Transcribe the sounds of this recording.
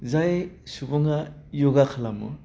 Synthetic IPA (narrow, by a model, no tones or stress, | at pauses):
zajsubuŋajoɡakʰalamɯ̰